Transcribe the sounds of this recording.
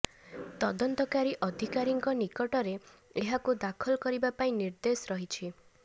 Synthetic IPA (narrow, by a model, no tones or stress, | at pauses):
t̪ɔd̪ɔnt̪ɔkaɾiʔɔd̪ʱikaɾiŋkɔnikɔʈɔɾeeɦakud̪akʰɔlɔkɔɾibapaĩniɾd̪esɔɾɔɦit͡ʃʰi